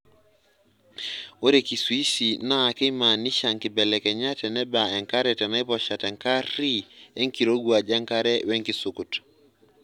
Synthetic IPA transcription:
o˦ɾe˨ki˨swi˦si˨na˦˨ki˦ma˨ni˦ʃa˨ŋki˨bɛ˨lɛ˨kɛ˨ɲa˦tɛ˨nɛ˦ba˨ɛ˨ŋka˦ɾɛ˨tɛ˨na˦i˦pɔ˨ʃa˨tɛ˨ŋka˦ɾi˦ɛ˦ŋki˨ɾo˦ɡu˨a˨d͡ʒa˦ŋka˦ɾɛ˦wɛ˦ŋki˨su˨ku˨t

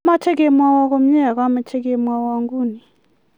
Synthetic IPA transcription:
ma˦tʰɛ˦k̬ɛ˦mwa˦wa˦k̬o˦m̩˦ɲa˦˨k̬a˨˦ma˨tʰɛ˦k̬ɛ˨mwa˨wa˨ŋɡuː˦˨ni˨

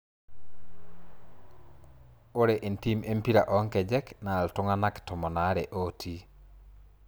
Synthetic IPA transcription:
o˦ɾe˨ʔe˨nti˦me˦mpi˦ɾa˨ʔɔ˨˦ŋkɛ˨d͡ʒɛ˦kna˨ltʊ˦ŋa˦na˦ktʊ˨mɔ˨na˨˦ɾɛ˨ʔo˦tʰi˦

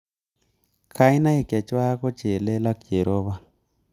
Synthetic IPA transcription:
kʰa˦i˦na˦i˨ka˨t͡ʃwa˦ko˦t͡ʃe˨le˦la˦kt͡ʃe˨ɾʔo˦βa˦

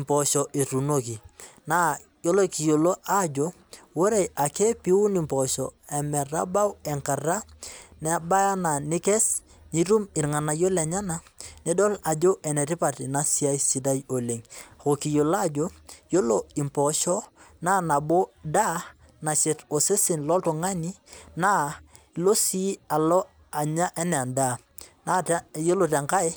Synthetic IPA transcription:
mpɔ˨ʃɔ˨ʔi˨ɾu˨no˦ki˨na˦ | jo˦lo˦ki˨jo˨lo˦ʔa˦d͡ʒo˦ | wo˦ɾe˦˨a˨ke˦pi˦u˦ni˨mpɔ˨ʃɔ˨ɛ˨mɛ˨ɾa̰˦ba˦wɛ˨ŋka˨ɾa˦nɛ˦ba˦ja˦na˨nɪ˦kɛ˦s | ni˦ɾu˦mɪ˨ɾŋa˨na˨jo˦lɛ˨ɲa˦na˨nɛ˦dɔ˦la˨d͡ʒo˦ʔɛ˨nɛ˨ɾɪ˦pa˨ti˨na˦si˦a˦jsi˨da˦jo˨le˨ŋa˨ko˨ki˨jo˨la˦˨d͡ʒo˦jo˦lo˨ɪ˨mpɔ˨ʃɔ˦naː˦na˨bo˦da˦ | na˨ʃe˨to˨se˦sɪ˨nlɔ˦to˨ŋa˦ni˦naː˦ | i˨lo˦si˦a˨lɔ˦ | a˨ɲa˦ʔɛ˦nɛ˨a˨nda˦˨ | na˦jo˦lo˨tɛ˨ŋka˦ɪ˦

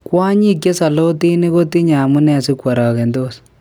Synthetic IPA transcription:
kwa˦ɲi˦kje˦sa˨lo˦ti˦ni˦ko˦ti˦ɲa˨mu˦nɛ˦a˨si˦kwa˨ɾaː˨kɛ˨ndoː˦˨s

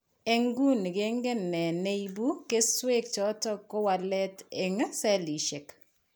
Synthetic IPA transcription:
e˨ŋɡu˦nɡe˦ŋɡe˦nɛ˨ne˦ibu˦ke˦swe˦k̚t͡ʃɔ˨˦tɔ˦ko˦wa˨lɛ˦te˨ŋ˦sɛ˦li˨ʃe˨k

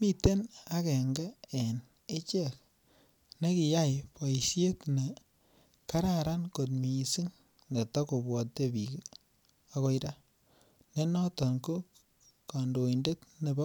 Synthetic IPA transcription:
mi˦te˦na˦kɛ˨ŋɡɛ˦e˨n | e˦t͡ʃe˦˨k | ne˦ki˨ja˦jpɔ˨i˨sje˦tne˨ | ka˦ɾa˦˨ɾa˦nko˨t̬mi˨si˦ŋ | ne˨tɔ˦ko˨bwɔ˨tːe˦bi˨k | a˨ko˦iɾa˦ | ne˦nɔ˦tɔ˨nko˦k | ka˨ndo˨inde˦tne˨bɔ˦

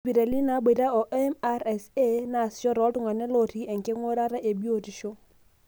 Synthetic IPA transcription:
pi˨ɾa˨li˦na˨˦be˨ɾa˦ɔ˨ʔɛ˦ma˦ɾɛ˨se˦na˨sjɔ˦ɾɔ˨˦tʊ˦ŋa˨nɛ˦lɔ˨ti˦ɛ˨ŋke˦ŋo˦ɾa˦ɾa˦ʔe˨bjo˨ti˨ʃo˦

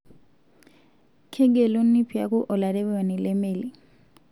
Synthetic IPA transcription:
kʰɛ˦ɡɛ˨lo˦n̩ːi˦pʰi˨a˦ku˦ʔɔ˨la˨dɛ˦wɔ˨nɛ˨lɛ˦meː˦˨li˨

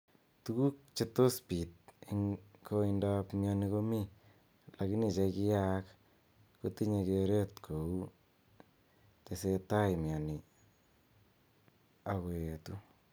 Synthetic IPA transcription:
tu˦ku˦k̚t͡ʃe˦to˦spi˨t̚iŋko˧inda˦pmja˧ni˧ko˦mi˦ | la˨ki˦ni˨t͡ʃe˧ki˦jak | ko˦ti˦ɲe˧ke˧ɾe˦tkʰo˨u˦ | te˨se˧ta˦jmja˨ni˨ | a˨ko˨e˨tu˦

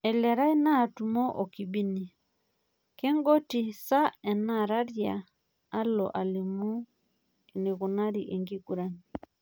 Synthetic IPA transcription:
ɛ˨lɛ˨ɾa˦i˦na˦˨tu˨mɔ˦ʔo˨ki˨bi˦ni˨ | kɛ˦ŋɡɔ˦ti˨sa˦ɛ˨na˦ɾa˦ɾjaː˨˦ | lɔ̰˨ʔa˨li˨mu˦ | e˨ne˨ɣuna˦ɾi˨ʔe˨ŋɡi˦ku˨ɾa˦ni

